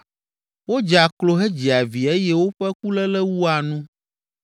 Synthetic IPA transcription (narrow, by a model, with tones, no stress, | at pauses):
wo˦d͡ʒa˨klo˨ɦe˦d͡ʑi˨a˨vi˨e˦jɛ˦wo˦ɸɛ˦k̚u˦lɛ˦lɛ˦wu˦a˨nũ˦